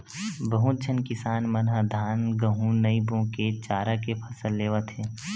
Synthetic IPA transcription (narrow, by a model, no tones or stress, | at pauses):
bəɦũt͡ʃʰənkɪsaːnmənɦəd̪ʱaːnɡəɦũnəibõket͡ʃaːɾakepʰəsəlːeːʋət̪ʰɦeː